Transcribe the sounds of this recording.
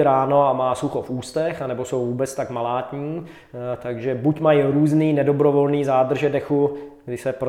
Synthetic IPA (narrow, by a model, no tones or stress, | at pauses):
ɾaːno̞amaːsuxofuːst̪ɛxanɛbo̞sowvuːbɛt͡st̪akmalaːt̪ɲiː | t̪aɡʒɛbucmajɾuːzniːnɛdobɾovolniːzaːd̪r̩ʒɛdɛxuɡdɪsɛpɾ